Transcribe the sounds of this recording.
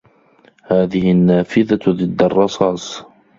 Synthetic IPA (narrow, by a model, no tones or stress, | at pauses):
haːðɪhɪnːaːfɪðaðˤɨd̪ːɑrˤːɑsˤɑːsˤ